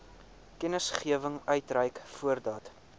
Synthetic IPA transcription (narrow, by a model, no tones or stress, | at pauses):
kɛnəsχiəvəŋœɥtrɛjkfuərdɑːt